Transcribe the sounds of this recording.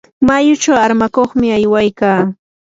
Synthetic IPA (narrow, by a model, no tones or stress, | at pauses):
majʊt͡ʃawaɾmakoχmɪajwajkaː